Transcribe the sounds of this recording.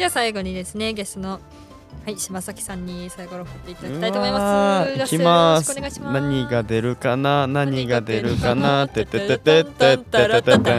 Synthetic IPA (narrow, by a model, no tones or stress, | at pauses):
d͡ʑβasaiɡo̞ɲ̟id̪e̞sɨne̞ɡe̞st̪ono | haiɕimasakʲi̥sãɲ̟ːisaiɡo̞ɾokɯt̪ːeit̪ad̪it̪aitoamoimakʲimasnaɲ̟iɡad̪e̞ɾɯ̟kananaɲ̟iɡad̪e̞ɾɯ̟kanat̪ːet̪ːet̪ːet̪et̪ːet̪ːeet̪et̪ːe